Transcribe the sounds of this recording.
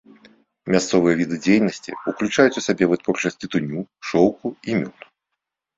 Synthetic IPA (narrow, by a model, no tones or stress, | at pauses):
mʲast̪sɔvɨjɐvʲid̪ɨd͡zʲejnɐsʲt͡sʲḭuklʲut͡ʂajut͡sʲusʲabʲɛvɨt̪vɔrt͡ʂɐsʲt͡sʲit̪unʲuʂɔwkuimʲut̪